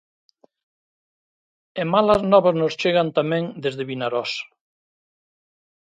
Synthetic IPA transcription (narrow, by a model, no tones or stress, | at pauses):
emalaznɔβaznost͡ʃeɣant̪amɛ̃ŋd̪ezðeβinaɾɔs